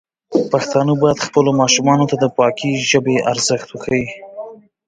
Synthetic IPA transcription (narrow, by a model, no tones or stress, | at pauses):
paxt̪ɑnəbɑjad̪xpəlomɑʃumɑnot̪ad̪əpɑkiʒəbeaɾzəxt̪wəxawi